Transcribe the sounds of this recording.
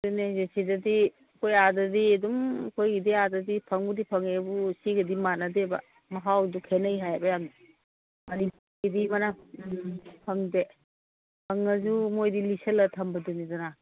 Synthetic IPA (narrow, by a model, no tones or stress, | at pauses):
dunezesezadi | kʰojadɐdiedumkʰojɡidiadɐdipʰɐŋbudipʰɐŋebusiɡɐdimanadeba̰ | mɐɦawdukʰenəjɦajbajamd | mɐnipuɾɡidimana | pʰɐŋde | pʰɐŋɐzumojdiliselɐtʰɐmbɐdunidana